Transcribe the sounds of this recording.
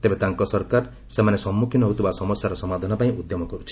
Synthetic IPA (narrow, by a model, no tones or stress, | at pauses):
t̪ebet̪aŋkɔsɔɾkaɾ | semanesɔmːukʰinɔɦut̪ʰibasɔmɔsjaɾɔsɔmad̪ʱanɔpaĩud̪jɔmɔkɔɾut͡ʃʰi̥